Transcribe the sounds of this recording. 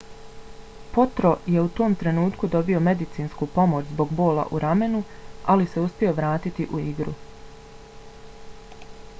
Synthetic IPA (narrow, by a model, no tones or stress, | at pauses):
po̞t̪ɾo̞je̞ut̪o̞ːmt̪ɾe̞nuːt̪kud̪o̞bio̞me̞d̪it̪siːnskupo̞mo̞t͡ɕzbo̞ɡbo̞ːla̰ʔuɾame̞nualise̞uspʲio̞ʋɾaːt̪it̪iʔuiɡɾṵ